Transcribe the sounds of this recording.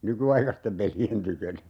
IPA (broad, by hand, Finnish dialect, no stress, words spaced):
nykyɑikɑstem pelien tykønæ